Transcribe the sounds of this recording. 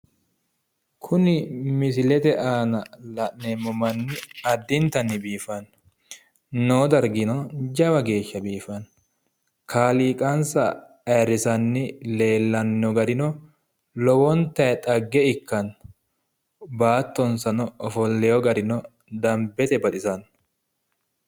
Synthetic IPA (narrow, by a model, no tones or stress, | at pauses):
kʰʊnɪmɪs̬ɪlɛt̪ɛʔaːnɐlɐʔnemːɔmɐnːɪɐd̪ːɪnt̪ɐnːɪbiːfɐn | noːd̪ɐɾɡɪnɔd͡ʒɐwɐɡe̞ːʃːɐbiːfɐn | kʰaːliːkʼɐnsɐ | ɐɾːɪsɐnːɪle̞ːlːɐnːɔɡɐd̪ɪnɔ | lɔwɔnt̪ːɐɛt̪ʼɐɡːɛɪkːɐn | baːt̪ːɔnsɐnɔɔfɔlːɛjɔɡɐd̪ɪnɔ | d̪ɐmbɛt̪ɛbɐt̪ʼɪsɐn